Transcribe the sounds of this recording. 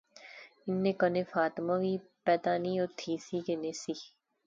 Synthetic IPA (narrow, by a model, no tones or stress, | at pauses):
ɪnːeːkəneːfaːt̪mãːʋiːpɛːd̪aːniot̪ʰiːsiːkeneːsiː